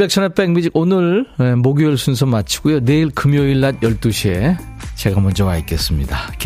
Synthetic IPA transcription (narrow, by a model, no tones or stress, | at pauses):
bek̚t͡ɕʰʌnʌp͈eŋmid͡ʑiɡonɯɭemoɡujʌɭs͈ʰuns̬ʰʌmat͡ɕʰi̥ɡ̥ujoneiɭkɯmjʌiɭːad̚jʌɭt͈uɕʰie | t͡ɕeɡamʌnd͡ʑʌwaik͈es͈ɯmɲidak